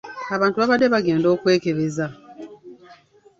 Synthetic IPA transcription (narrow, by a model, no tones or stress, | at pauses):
aβaːntuaβadeβaɡe̞ːndo̞ːkwe̞ːke̞βeza